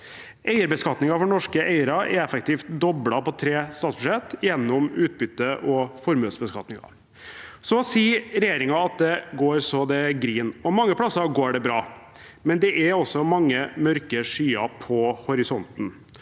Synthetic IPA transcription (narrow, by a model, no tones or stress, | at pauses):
ʔeɪəɾbəskɑt̪nɪŋɑfɔɳɔʂkəʔeɪɾɑɛɾɛfək̚t̪iːft̪d̪ɔbɽɑpɔt̪ʰɾeːst̪ɑːt̪sbʉʂɛt̪ːjɛnːɔmʉːt̪̚bʏt̪ːəʔɔfɔɾmløːsəbəskɑt̪nɪŋɑ̰ | sɔsiːɾɛjeːɾɪŋɑɑt̪̚d̪ɛɡoːɾsɔd̪ɛɡɾiːnɔmɑŋːəpʰɽɑsːɑɡoːɖɛbɾɑː | mɛnd̪ɛʔæɾɔsːɔmɑŋːəmœɾkəʂyːɑpʰɔhɔɾɪsɔnt̪n̩